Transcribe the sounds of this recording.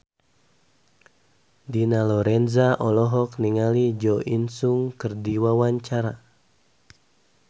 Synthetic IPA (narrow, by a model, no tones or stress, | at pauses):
dinalɔɾɛnzaʔɔlɔɦɔkniŋalid͡ʒɔʔinsuŋkɨrdiwawaɲt͡ʃaɾa